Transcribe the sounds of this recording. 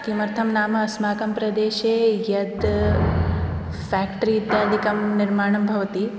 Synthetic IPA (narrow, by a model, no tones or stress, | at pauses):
kimɐɾt̪ʰɐmnaːmɐɐsmaːkɐmpɾɐd̪eːʃeːjɐd̪ | fɛːkʈɾiːd̪jaːd̪ʱikɐmniɾmaːɳɐmbʱɐʋɐt̪i